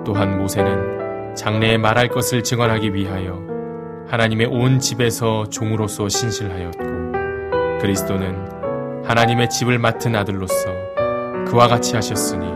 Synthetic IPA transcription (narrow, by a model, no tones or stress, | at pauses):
t͈oɦanmosʰe̞nɯn | t͡ɕaŋneːmaɾɦaɭk͈ʌsʰɯɭt͡ɕɯŋwʌnɦaɡiɥiɦajʌ | hanaɲime̞ʔont͡ɕibe̞sʰʌt͡ɕoŋɯɾosʰʌɕʰinɕʰiɭɦajʌt̚k͈o | kɯɾisʰt͈onɯn | hanaɲime̞t͡ɕibɯɭmatʰɯnadɯɭːos͈ʰʌ | kɯwaɡat͡ɕʰiɦaɕʰʌs͈ɯɲi